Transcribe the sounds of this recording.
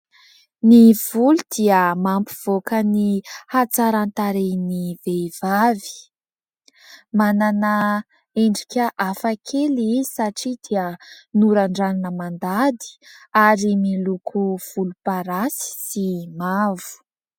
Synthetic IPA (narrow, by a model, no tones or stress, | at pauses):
niv̥ulud̪̥iəmampiv̥okənihat͡saɾant̪aɾeniveivavi̥ | manana | eɳɖ͡ʐikʲəʔafakʰelisaʈ͡ʂid̪iənuɾaɳɖ͡ʐaninəmand̪ad̪i̥aɾimilukʰuv̥ulupaɾasi̥simavu̥